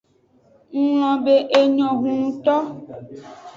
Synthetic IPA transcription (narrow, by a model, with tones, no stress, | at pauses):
ŋ̩˦l̃ɔ̃˨be˦ʔe˨ɲɔ̃˨ɡũ˨ŋũ˨t̪ɔ˦